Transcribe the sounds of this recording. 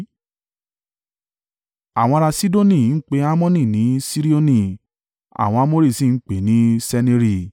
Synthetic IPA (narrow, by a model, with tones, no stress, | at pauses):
a˨w̃ɔ̃˧ɾa˧si˦do˦nĩ˦˨˦n̩˦k͡pe˦a˦mɔ̃˦nĩ˦˨nĩ˨˦si˦ɾi˦o˦nĩ˦˨ | a̰˨w̃ɔ̃˧a˧˦mo˦ɾi˦˨sĩ˦˨n̩˦k͡pe˨˦nĩ˦sɛ˧nĩ˧˦ɾi˦˨